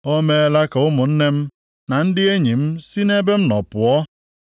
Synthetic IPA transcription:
o˦me˦e˦la˦ka˨ʊ˦mʊ˨n̩˦ne˦m̩˦ | na˨n̩˦dɪ˦e˦ɲi˨m̩˦si˦ne˦be˦m̩˦nɔ˨pʊ˨ɔ˦

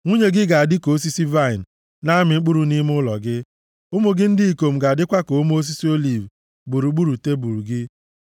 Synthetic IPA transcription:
ŋʷu˦ɲe˦ɡɪ˦ɡa˨a˨dɪ˦ko˨˦s̬i˦si˦va˦˨ɪ˨n̩˨ | na˦mɪ˨ŋ͡m̩˦k͡pu˦ɾu˨ni˦m˦ʊ˦lɔ̰˨ɡɪ˦ | ʊ˦mʊ˨ɡɪ˦n̩˦dɪ˦i˨ko˨m̩˨ɡa˨dɪ˦kʷa˦ko˨˦m˦o˦s̬i˦si˦o˦li˨v | bu˨ɾu˨˦ɡ͡bu˦ɾu˨te˦bu˨ɾu˨ɡɪ˦

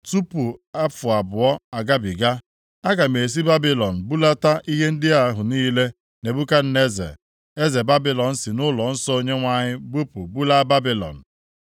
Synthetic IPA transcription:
tu˦pu˨a˦fʊ˨a˨bʊ˨ɔ˦a˨ɡa˦bi˨ɡa˦ | a˦ɡa˨me˨s̬i˦ba˦bi˨lɔ˨n̩˨bu˦la˦ta˦ʔi˦ɦe˦n̩˦dɪ˦a˨ɦʊ˨niː˦le˦ | ne˨bu˦ka˦n̩˦ne˦zḛ˨ | e˦ze˨ba˦bi˨lɔ˨n̩˦sɪ˨nʊ˦lɔ˨n̩˦sɔ˦o˦ɲe˦ŋʷa˦ɲɪ˦bu˦pu˨bu˦la˦ba˦bi˨lɔ̰˨n̩˨

